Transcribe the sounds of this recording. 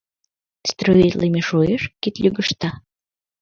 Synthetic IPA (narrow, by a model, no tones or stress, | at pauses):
st̪ɾoit̪limeʃueʃkit̪lʲyɡəʃt̪ɑ